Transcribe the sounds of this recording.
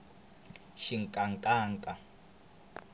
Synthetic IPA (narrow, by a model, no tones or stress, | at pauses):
ʃiŋkʼaŋkʼaːŋkʼa